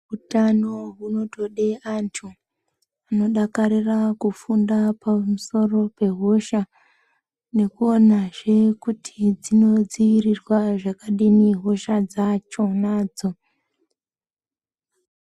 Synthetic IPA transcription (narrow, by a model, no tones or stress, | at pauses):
ɦutano̞ɦuno̞to̞ɗeʔantʰu | ano̞ɗakaɾirakufundapʰamuso̞ro̞pe̞ɦo̞ʃa | ne̞kuonaʐe̞kutʰid͡zino̞d͡ziirirwaʐakaɗiniɦo̞ʃad͡zat͡ʃo̞naːd͡zo̞